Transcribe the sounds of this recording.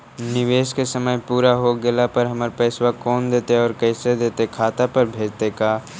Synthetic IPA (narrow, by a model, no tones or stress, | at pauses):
nɪʋeːskesəməjpuːɾaɦoɡɪlapɐɾɦɐməɾpɛːswakɔːnd̪eːt̪eɔːɾkɛɪsed̪eːt̪ekʰaːt̪apɐɾbʱeːd͡ʒt̪ekaː